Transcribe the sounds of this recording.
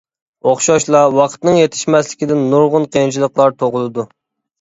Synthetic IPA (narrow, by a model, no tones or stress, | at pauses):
oχʃɑʃlˠɑwɑqʰt̪nɨŋjet̪ʰɪ̥ʃmɛslɪkʲid̪ɪnːuɾʁʊnqʰent͡ʃʰilˠəqlˠɑɾt̪ʰoʁlˠɨd̪u